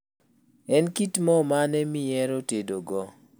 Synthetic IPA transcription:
ɛnkitmɔmanɛmɪjɛɾotedoɡɔ

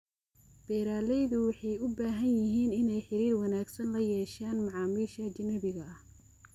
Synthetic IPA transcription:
b̥ɛːɾaːlɛjðʊwɑħɑjʊbaːɦɐnjɪɦiːnɪnɛjħɪɾiːrwɑnaːɡsɐnlɐjɛːʃaːnmɑʕɑːmiːʃɐt͡ʃɐnɐbɪɣɐɐh

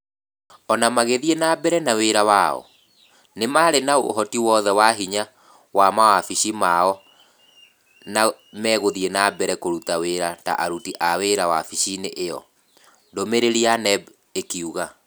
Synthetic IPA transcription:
ɔnamaɣeðienabɛɾɛnaweɾawaɔ̰ | nemaɾenao̰ɦɔtiwɔːðɛwaɦiɲa | wamawafiʃimaɔ | namɛːɣoðienabɛɾɛkoɾutaweɾata̰ʔaɾutiʔaweɾawa̰fiʃineʔejɔ̰ | ndomeɾeɾianɛb | ekiuɣa

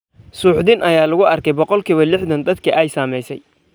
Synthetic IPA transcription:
suːħd̪ɪnʔɐjaːlɐɣʊɐrkʰɛjbɔqɔlkʰiβɐlɪħðɐnd̪ɐd̪kʰɐʔɛjsaːmɛjsɛj

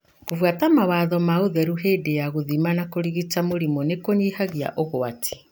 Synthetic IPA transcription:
kovwatamawaːðɔmaoðɛɾuɦeːdejaɣoðimanakoɾiɣit͡ʃamoɾimɔnekoɲihaɣja̰ʔoɣoatʰi̥

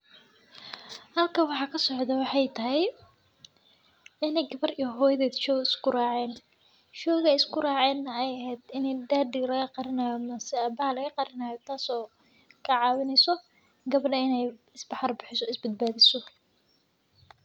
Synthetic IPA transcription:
hɐlkʰɐwɑħɑːkʰɐsɔʕd̪ɐwɑħɑjt̪ʰɐɦɛj | ɪnɛjɡɐβɐrijɔɦɔːjðɛːd̪ʃɔːɣɪskʰʊrɑːʕɛːn | ʃɔːɣɛɪskʰʊrɑːʕɛːnːɐɛjɐɦɛːd̪ɪnɛjd̪aːd̪ɪlɐɣɐqɑɾɪnaːjɔmɐsɛaːbɐhɐlɐɣɐqɑɾɪnaːjɔt̪ʰaːsɔː | kʰɐʕɑːwɪnɛsɔ | ɡɐβɐɖɐɪnɛjɪsbɑħɑrbɪħɪsɔɪsbɐd̪̚baːðɪsɔ

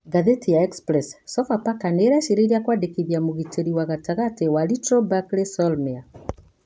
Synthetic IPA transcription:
ɡaðetijaɛkspɾɛssɔfapakaneɾaʃiɾeɾiakwadekiðjamoɣiteɾiwaɣataɣatewalitɾɔbaklesɔlmia

